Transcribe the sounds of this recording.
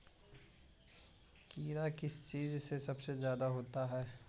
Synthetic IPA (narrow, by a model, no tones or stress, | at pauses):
kiːɾakɪst͡ʃiːzsesɐbsezjaːd̪aɦoːt̪aɦɛː